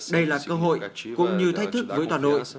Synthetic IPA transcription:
ɗə˧jlaː˨˩kəː˧ɦo̰˧˨jkʊ̰˧˥ŋ͡mɲɨ˧t̪ʰa˦˥k̟̚t̪ʰɨ˦˥k̚vəː˨˦jt̪waː˨˩no̰˧˨j

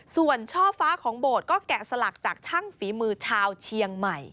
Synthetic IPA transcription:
su˨˩ənt͡ɕʰɔː˥˩faː˦˥kʰɔː˩˦ŋboː˨˩t̪̚kɔː˥˩kɛ˨˩sa˧la˨˩k̚t͡ɕaː˨˩k̚t͡ɕʰa˥˩ŋfiː˩˦mɯː˧t͡ɕʰaː˧wt͡ɕʰi˧əŋma˨˩j

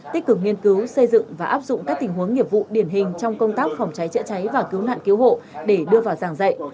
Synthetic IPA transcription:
t̪ï̟˦˥kɨ˨˩k̚ŋi˧ənkɨ˨˦wsə˧jzɨ̰˧˨ŋŋvaː˨˩ʔaː˦˥p̚zʊ̰˧˨ŋ͡mkaː˦˥k̚t̪ŋ̟ɦu˨˦əŋːi˨˩əp̚vṵ˧˨ɗi˨˧˩ənɦï˨˩ŋ̟t͡ɕɔ˧wŋ͡mkə˧wŋ͡mt̪aː˦˥k̚fɔ˨˩wŋ͡mt͡ɕa˨˦jt͡ɕə̰˧˥t͡ɕa˨˦jvaː˨˩ki˨˦wna̰ː˧˨nki˨˦who̰˧˨ɗe˧˩ɗɨ˧əvaː˨˩wzaː˨˩ŋzə̰˧˨jʔ

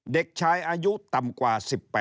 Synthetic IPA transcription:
de˨˩k̚t͡ɕʰaː˧jʔaː˧ju˦˥t̪a˨˩mkwaː˨˩si˨˩pːɛː˨˩

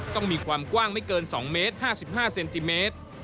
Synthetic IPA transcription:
t̪ɔ˥˩ŋmiː˧kʰwaː˧mkwaː˥˩ŋma˥˩jkɤː˧nsɔ̰ː˩˦ŋmeː˦˥t̪̚haː˥˩si˨˩p̚haː˥˩se˧nt̪i˧meː˦˥t̪̚

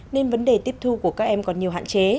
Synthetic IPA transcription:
ne˧nvə˨˦nɗe˨˩t̪i˦˥əp̚t̪ʰu˧ku˧˩əkaː˦˥k̚ʔɛ˧mkɔ˨˩nɲi˨˩əwɦa̰ː˧˨nt͡ɕe˨˦

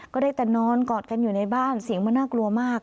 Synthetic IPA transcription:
kɔː˥˩daː˥˩jt̪ɛ˨˩nɔː˧˥nkɔː˨˩t̪̚ka˧njuː˨˩na˧jbaː˥˩nsi˨˩˦ŋmaː˧˥˨naː˥˩klu˧ɐmaː˥˩k̚

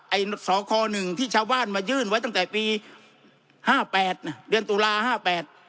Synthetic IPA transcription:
ʔa˧˩jno˦˩t̪̚sɔː˩˦kʰɔː˧nɯ˨˩ŋt̪ʰiː˥˩t͡ɕʰaː˧wbaː˥˩nmaː˧jɯː˥˩nwa˦˥jt̪a˥˩ŋt̪ɛː˨˩piː˧ | haː˥˩pɛː˨˩t̪̚na˩dɯ˧ənt̪uː˧laː˧haː˥˩pɛː˨˩t̪̚

